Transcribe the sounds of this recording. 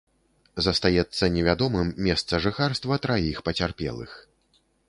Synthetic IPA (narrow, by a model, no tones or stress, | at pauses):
zɐst̪ajɛt̪sːɐnʲɛvʲad̪ɔmɨmːʲɛst̪sɐʐɨxarst̪vɐt̪ɾajixpɐt͡sʲarpʲɛ̰lˠɨ̰x